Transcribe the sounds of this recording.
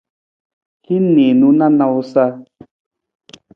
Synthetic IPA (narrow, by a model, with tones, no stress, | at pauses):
hi˦ne˨nu˦na˦na˦u˦sa˦